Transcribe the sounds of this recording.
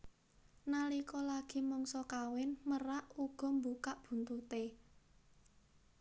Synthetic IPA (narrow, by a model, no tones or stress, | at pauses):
nalikɔlaɡ̥i̤mɔŋsɔkawɪnməraʔuɡ̥ɔ̤mbukaʔb̥ṳnt̪ut̪e